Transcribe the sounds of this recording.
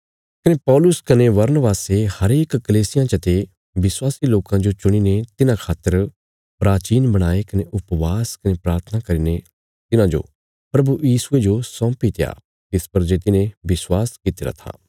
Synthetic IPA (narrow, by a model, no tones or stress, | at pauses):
kɐnepɔːlʊskɐneʋɐɾnəʋaːsehɐɾeːkːɐleːsɪjãt͡ʃɐt̪e | ʋɪswaːsiloːkãd͡ʒot͡ʃʊɽ̃inet̪ɪnãkʰaːt̪ːəɾ | pɾaːt͡ʃiːnbɐɽ̃aːekɐneʔʊpʋaːskɐnepɾaːɾt̪ʰənakɐɾiːne | t̪ɪnãd͡ʒo̰ː | pɾɐbujiːsʊed͡ʒosɔ̃ːpit̪ɪja̰ː | t̪ɪspɐɾd͡ʒeːt̪ɪnẽʋɪswaːskit̪ɪɾa̰t̪ʰa̰ː